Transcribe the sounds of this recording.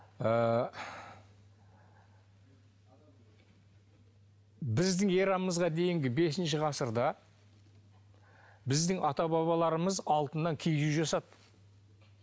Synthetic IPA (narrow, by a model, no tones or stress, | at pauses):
ə | bɪzd̪ɪŋe̞ɾɑməzʁɑd̪e̞jɪŋɡʲɪbe̞s̬ɪnʃɪʁɑsəɾd̪ɑ | bɪzd̪ɪŋɑt̪ɑbɑβɑlˠɑɾəməzɑlˠt̪ənːɑŋkʲʰejɡeʒɑsɑd̪